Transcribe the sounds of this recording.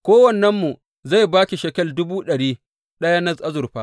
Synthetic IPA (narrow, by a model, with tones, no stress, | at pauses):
kʷoː˦wɐ˨nːɐ˦mːu˨ | za˦˨jbaː˦kʲi˨ʃe˨kɐ˦˨ldʊ˦buː˦ɗɐ˨ɽiː˦ | ɗɐ˦ja˦nɐ˦zʔa˦zʊ˨ɸaː˦